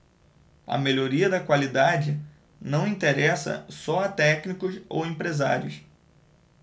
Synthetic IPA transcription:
ɐ̰meʎoɾiɐd̪ɐkwalid̪ad͡ʒɪ | nɐ̃w̃ĩt̪eɾɛsɐ̰sɔɐt̪ɛknikʊso̰wẽpɾezaɾjʊs

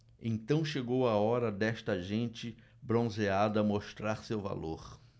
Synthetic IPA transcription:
ḛ̃ñt̪ɐ̃w̃ʃeɡowɐɔɾɐd̪ɛst̪ɐʒẽnt͡ʃɪ | bɾõzead̪ɐmoʃt̪ɾaɾsewva̰loɾ

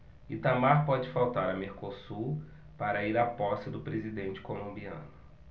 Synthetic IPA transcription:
it̪amaɾpɔd͡ʒɪfawt̪aɾɐmeɾkosuɾ | paɾɐiɾapɔsɪd̪ʊpɾezid̪ẽnt͡ʃɪ̥kolõmbiɐ̰̃nʊ

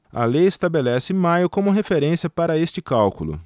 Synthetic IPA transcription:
ɐ̰lejest̪abelɛsɪɪmajʊkõmʊɦefeɾẽsiɐpaɾɐest͡ʃɪkawkulʊ̰

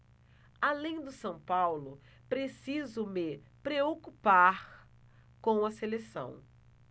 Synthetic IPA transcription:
alẽj̃d̪ʊsɐ̃w̃pawlʊ | pɾesizʊmɪ | pɾeokupaɾ | kõw̃ɐselesɐ̰̃w̃

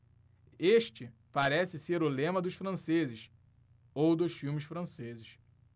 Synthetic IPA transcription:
eʃt͡ʃɪpaɾɛsɪseɾʊlẽmɐd̪ʊʃfɾɐ̃sezɪʃ | owd̪ʊʃfiwmɪʃfɾɐ̃sezɪʃ

